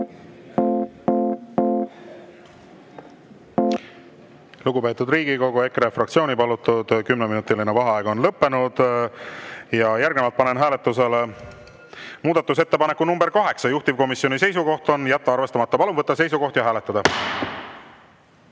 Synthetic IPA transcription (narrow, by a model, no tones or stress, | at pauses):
luɡupe̞ːt̪ːˑud̪riːɡiko̞ɡue̞krefrɑkt̪sio̞ːnipɑlut̪ːˑud̪̥kymneminut̪ːˑilinevɑɦɑɑeɡ̥o̞nlɤpːe̞nud̪̥ | jɑjæɾɡnevɑlt̪pɑne̞nɦæːle̞t̪ːˑus̬e̞le | muːd̪ɑt̪ːˑus̬e̞t̪ːe̞pɑne̞kːˑunumbe̞ɾkɑɦe̞ksɑjuht̪ivko̞misjo̞nise̞js̬uko̞ht̪o̞njæt̪ːɑɑrvest̪ɑmɑt̪ːɑpɑlunvɤt̪ːɑse̞jsuko̞ht̪jɑɦæːle̞t̪ːˑɑd̪̥ɑ